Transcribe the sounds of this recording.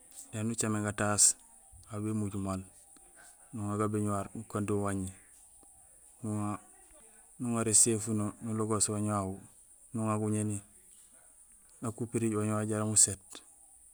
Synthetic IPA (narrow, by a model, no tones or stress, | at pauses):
denut͡ʃameɡatas | abemuɟumal | nuŋaɡabiɲuwaɾnukandiwaɲi | nuŋa | nuŋaɾesefunonuloɡoswaɲawu | nuŋaɡuɲeni | nakupiɾiɟwaɲwaɟaɾamuset